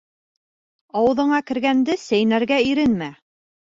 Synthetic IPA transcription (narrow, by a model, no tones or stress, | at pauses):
ɑwɤ̆ðɤ̆ɴɑkɘ̆ɾɡænd̪ɘsæjnæɾɡæiɾɘnmæ